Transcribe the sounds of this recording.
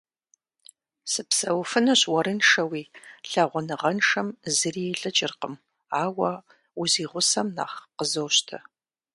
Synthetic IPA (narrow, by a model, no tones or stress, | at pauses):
sɨpsɐwfɨnɨɕwɐɾɨnʂɐwiːɬɐʁʷɔnɨʁɐnʂɐmzɨriɛɬʼɐt͡ʃʼɪrqəm | aːwɐ | uziːʁʷʊsɐmna̰ːχqəzowɕtʰɐ